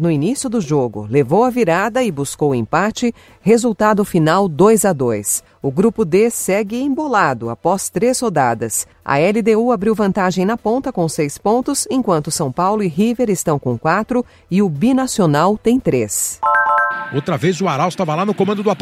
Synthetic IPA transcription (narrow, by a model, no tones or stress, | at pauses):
nʊinisjʊd̪ʊʒoɡʊ̰levowɐviɾad̪ɐɪbuskowḛ̃pat͡ʃɪ | hezuwt̪ad̪ʊfinawd̪ojzɐd̪ojs | ʊɡɾupʊd̪esɛɡɪẽbolad̪ʊa̰pɔst̪ɾeshod̪ad̪ɐs | ɐ̰ɛlid̪euabɾiwvɐ̃nt̪aʒẽj̃nɐpõnt̪ɐkõsejspõnt̪ʊsẽkwɐ̃nt̪ʊsɐ̃w̃pawlʊɪɦiveɾɪst̪ɐ̃w̃kõw̃kwat̪ɾʊ | ɪʊbinasionawt̪ẽj̃t̪ɾes | owt̪ɾɐvezʊaɾawɪst̪avɐlanʊkomɐ̃nd̪ʊd̪ʊat̪